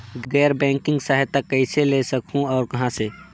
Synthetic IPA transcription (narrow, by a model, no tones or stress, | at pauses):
ɡɛːɾbɛ̃ːŋkɪ̃ŋɡsaɦɪt̪ːakːəɪselesəkɦũɔːɾkɐɦãse